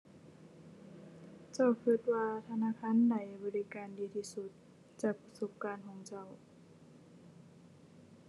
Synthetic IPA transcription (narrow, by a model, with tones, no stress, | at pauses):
t͡ɕa˧˩wkʰɯ˧˩t̪̚waː˧t̪ʰa˧naː˧˥˨kʰaː˧˥˨nda˨˩jbɔː˧˦li˧˨kaː˧ndiː˧t̪ʰiː˧˩su˧˦t̪̚ | t͡ɕaː˧˩k̚pa˧so˧˦p̚kaː˧˨nkʰɔː˧˦ŋt͡ɕa˧˩w